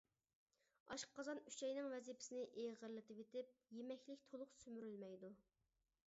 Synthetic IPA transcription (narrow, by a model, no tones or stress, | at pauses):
ɑʃqqʰɑzɑnyt͡ʃʰɛjnɪŋvɛzipʰɪ̥sɪnɪʔeʁəɾlˠɪt̪ɪpet̪ʰɪp̚jemɛkʲlɪkʲt̪ʰolˠʊqsymyɾylmɛjd̪u